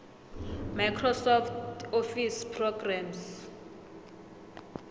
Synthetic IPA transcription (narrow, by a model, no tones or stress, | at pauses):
majkʰrɔsɔftofispʰrɔɡrams